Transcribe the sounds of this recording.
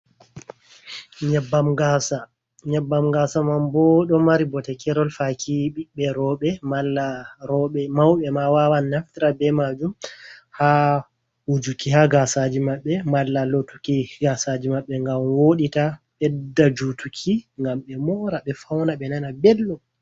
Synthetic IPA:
ɲɛbːamɡasa | ɲɛbːamɡasamambɔɗɔmaɾibɔtɛkɛɾɔlfakʰiɓiɓɛɾɔɓɛmalːaɾɔɓɛmawɓɛmawawanːaftiɾabɛmad͡ʒumha | wud͡ʒukihaɡasad͡ʒimaɓːɛmalːalotukiɡasad͡ʒimaɓːɛŋɡamwoɗitaɓɛdːad͡ʒutukʰiŋɡamɓɛmɔɾaɓɛfawnaɓɛnanabɛlːɔ

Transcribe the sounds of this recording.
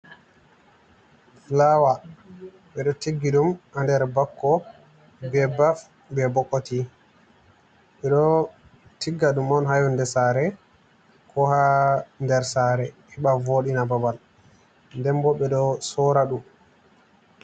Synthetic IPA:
lawa | ɓɛɗɔtiɡːiɗumʔandɛɾbakːɔ | bɛbaf | bɛbɔkːoti | ɓɛɗɔ | tiɡːaɗumɔnɦajundɛsaɾɛ | kʰɔhandɛɾsaɾɛhɛɓavoɗinababal | ndɛmbɔɓɛɗɔsɔɾaɗum

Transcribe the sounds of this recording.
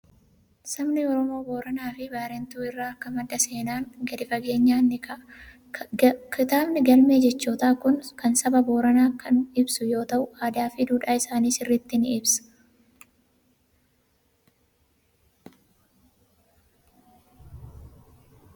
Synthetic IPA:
sɐmnɪɔɾɔmo̞ːbo̞ːɾɐnaːfɪbaːɾɛnt̪uːɪrːaːɐkːɐmɐd̪ːɐse̞ːnaːŋɡɐd̪ɪfɐɡe̞ːɲːaːnːɪkɐ | kʰɪt̪aːbnɪɡɐlme̞ːd͡ʒɛt͡ʃːoːt̪aːkʊnkɐnsɐbɐbo̞ːɾɐnaːkɐnɪbsʊjo̞ːt̪ɐʔʊaːd̪aːfɪd̪uːᶑaːɪsaːniːsɪrːɪt̪ːɪnɪbsɐ̥

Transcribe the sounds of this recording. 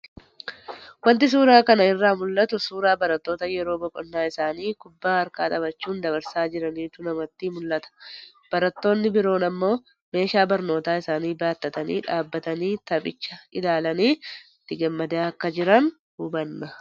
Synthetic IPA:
wɐnt̪ɪs̬uːɾaːkɐnɐɪrːaːmʊlːɐt̪ʊsuːɾaːbɐɾɐt̪ːo̞ːt̪ɐjɛɾo̞ːbɔkʼɔnːaːɪsaːniːkʊbːaːɐɾkaːt̪ʼɐbɐt͡ʃːuːnd̪ɐbɐɾsaːd͡ʒɪɾɐniːt̪ʊnɐmɐt̪ːimʊlːɐt̪ɐ̥ | b̥ɐɾɐt̪ːo̞ːnːɪbɪɾo̞ːnɐmːo̞ː | me̞ːʃaːbɐɾno̞ːt̪aːɪsaːniːbaːt̪ːɐt̪ɐnḭːᶑaːbːɐt̪ɐniːt̪ɐpʼɪt͡ʃːɐɪlaːlɐniː | t̪ːɪɡɐmːɐd̪aːɐkːɐd͡ʒɪɾɐn | hubɐnːɐ

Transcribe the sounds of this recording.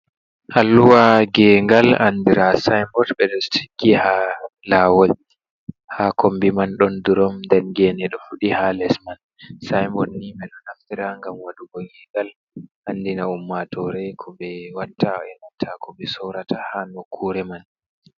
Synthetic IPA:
halːuwaɡɛːŋɡalandiɾasajmbɔtɓɛɗɔstʰi̥kːihalawɔl | hakʰombimanɗɔnduɾɔmndɛnɡɛnɛɗɔfuɗihalɛsman | sajmbɔtniɓɛɗɔnhaftiɾaŋɡamwaɗuɡɔɡɛŋɡal | ʔanːdinaumːatɔɾɛkʰɔɓɛwataɛnatʰakʰɔɓɛsɔwɾatahanokʰːuɾɛman

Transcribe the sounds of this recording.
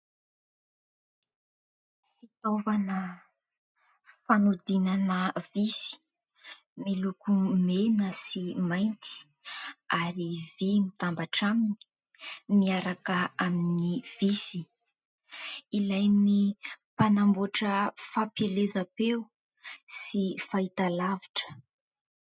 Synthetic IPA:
fit̪ovanə | fanud̪inanəvisi̥ | milukumenəsimajnt̪i̥ | aɾivimit̪ambaʈ͡ʂamini̥ | miaɾakəaminiv̥isi | ilajnipanamboʈ͡ʂəfapelezapeu | sifait̪alaviʈ͡ʂə̥

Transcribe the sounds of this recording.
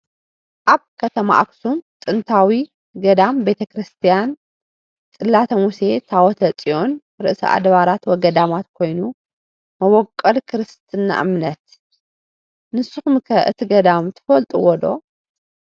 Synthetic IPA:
ʔaβkʰɐt̪ʰɐma̰ʔaksumt̪ʼɨnt̪ʰawi | ɡɐd̪ambe̞t̪ʰɐkɾɨst̪ʰijan | t̪ʼɨlːat̪ʰɐmuse̞t̪ʰawɔt̪ʰɐt͡sʼio̞n | ɾɨ̰ʔɨsḭʔa̰d̪βaɾat̪wɔɡɐd̪amat̪kʰo̞jnu | mɐβɔkʼːɐlkʰɨɾɨst̪ʰɨna̰ʔɨmnɐt̪̚ | nɨsːɨxumkʰɐʔɨ̰t̪ʰiɡɐd̪amt̪ʰɨ̥fɐlt̪ʼṵwɔd̪o̞̰

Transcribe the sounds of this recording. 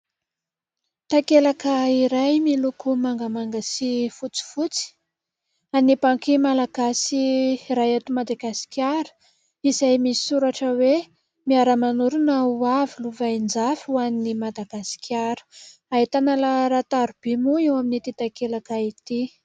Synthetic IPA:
t̪akelakaiɾajmilukumaŋɡəmaŋɡasifut͡si̥fut͡si̥ | anibaŋkimalaɡ̥asiraat̪umad̪aɡasi̥kʲjaɾu̥ | izajmisi̥suɾaʈ͡ʂəwe | miaɾəmanuɾunauaviluvaind͡zafwaninimad̪aɡ̥asi̥kʰʲjaɾu̥aet̪analaɾat̪aɾub̥emuiwaminit̪it̪akelakait̪i

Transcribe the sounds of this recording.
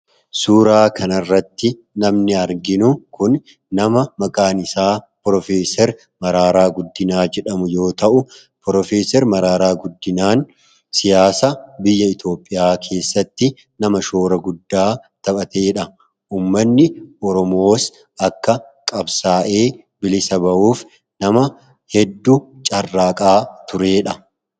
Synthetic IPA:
suːɾaːkʰɐnɐrːɐt̪ːɪ | nɐmnɪɐɾɡɪnʊkʊnː | ɐmɐmɐkʼaːnɪsaːpɾɔfe̞ːsɛɾ | mɐɾaːɾaːɡʊd̪ːɪnaːd͡ʒɛᶑɐmʊjo̞ːt̪ɐʔʊ | pɾɔfeːsɛɾmɐɾaːɾaːɡʊd̪ːɪnaːn | sɪjaːsɐbɪjːɐɪt̪o̞ːpʼːɪjaːkʰe̞ːsːɐt̪ːɪ | nɐmɐʃo̞ːɾɐɡʊd̪ːaːt̪ɐpʼɐt̪e̞ːᶑɐ | ʔuːmːɐnːɪɔɾɔmo̞ːs | ɐkːɐ | kʼɐbsaːʔe̞ː | bɪlɪsɐbɐʔuːf | nɐmɐ | hɛd̪ːut͡ʃʼɐrːaːkʼaːt̪ʊɾe̞ːᶑɐ

